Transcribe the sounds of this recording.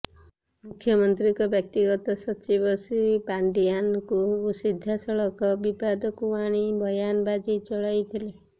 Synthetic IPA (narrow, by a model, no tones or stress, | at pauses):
mukʰjɔmɔnt̪ɾikɔbjʌk̚t̪iɡɔt̪ɔsɔt͡ʃibɔsipaɳɖijankuːsid̪ʱːasɔɭɔkɔbibad̪ɔkuaɽ̃ibʱɔjanbad͡ʒit͡ʃɔɭajt̪ʰile